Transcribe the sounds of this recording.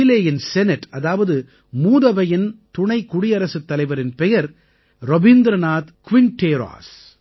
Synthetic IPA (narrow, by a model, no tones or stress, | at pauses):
ɪleːjɪnsɛnɪʈɐðaːʋɐðɯ | muːðɐʋɐjɪnt̪ʊɳɐɪkʊɽɪɐɾɐsɯt̪ːɐlɐɪʋɐɾɪnpɛjɐɾ | ɾɔbɪnd̪ɾɐnaːt̪kʊʋɪnʈeːɾa̰ːs